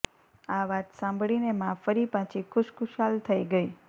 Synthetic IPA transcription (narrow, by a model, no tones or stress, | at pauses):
aʋat̪sãmbʱɭinemãfəɾipãt͡ʃʰikʰʊʃkʊʃalt̪ʰəiɡəi